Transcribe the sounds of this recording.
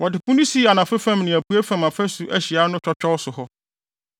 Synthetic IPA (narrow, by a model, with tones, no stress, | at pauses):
wʔɔ˨dɪ˨pʊ̃˦nĩ˦si˦a˨nã˨fɛ˦fã˦mnɪ̃˨æ˨pʰu˦ɛ˦fã˨mã˨fɛ˦sʊ˨ʔæ˦ɕi˨a˦nʊ̃˦t͡ɕᶣɔ˦t͡ɕᶣɔ˦wsʊ˨hɔ˦